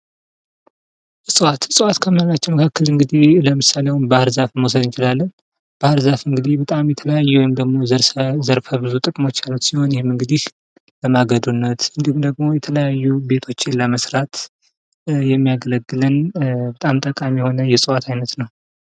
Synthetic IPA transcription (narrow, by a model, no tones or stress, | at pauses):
sʼɨwat̪sʼɨwat̪kʰəməlat͡ʃːɛwməkʰakːəlɨŋɡɨd̪iləmɨsalewunbahɾzafməws̬əd̪ɨnt͡ʃɪlalːən | b̥ahəɾzafɨŋɡɨd̪ibət̪ʼamjɛt̪ʰələjajːuwɔjɪmd̪əɡmo̞zəɾzəɾfəbɨzut̪ʼɨkʼmo̞t͡ʃːalːusiho̞njɛhemɨŋɡɨd̪ih | ləmaɡəd̪unːət̪ɨnd̪ihumd̪əɡmo̞jɛt̪ʰələjajːube̞t̪ʰo̞t͡ʃːɪnləməsɾat̪ | jɛmːijaɡələɡːɨlɨnbət̪ʼamt̪ʼəkʼamjɛho̞nəjɛsʼɨwat̪ʰajnət̪nəw